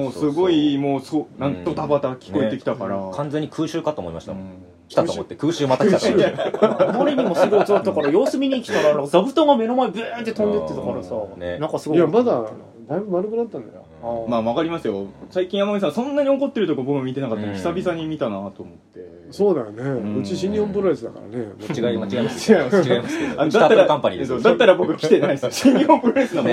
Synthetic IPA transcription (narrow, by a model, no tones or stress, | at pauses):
moːsɨɡo̞imoːsonãnt̪o̞t̪abat̪akʲi̥ko̞et̪ːe̞kʲi̥t̪akaɾakʰãnd͡zeɲ̟ːikʰɯ̟ːɕɨːkat̪oːmoima̰ɕi̥t̪a̰ | kʲi̥aommot̪ːekɯ̟ːɕɨːmat̪akkit̪ao | moɾʲiɲimosɨɡoit͡sot̪ːakaɾajo̞ːsɨmʲiɲ̟iːkʲi̥t̪aɾanãzabɯ̟t̪oŋɡame̞no̞maebɨnt̪ːet̪õ̞nd̪eːet̪akaɾasanenãŋkasɨɡojamad̪a | d̪aibɯ̟maɾɯkɯ̟nat̪ːãnd̪a̰jomaːmakaɾʲimasɨjo̞saikʲĩɰ̃amaɲis̬ãsõ̞nːaɲ̟io̞ko̞t̪ːe̞ɾɯ̟t̪o̞kʲobo̞kɯmmʲit̪e̞nakat̪ːamoçʲi̥sabʲisaɲ̟imʲit̪anat̪o̞ːmo̞t̪ːe̞ | so̞ːd̪ajonẽɯt͡ɕiɕĩɲʲːiõmp̬ɯ̟ɾaisɨd̪aka̰ɾa̰nemaɡamat͡ɕiɡaimaiaɡaimasanod̪at̪ːaɾakãmpaɲḭd̪esoːd̪at̪ːaɾabo̞kɯ̟kʲi̥t̪e̞naisɨoɕiɲ̟ːiõmpɯɾaisɨna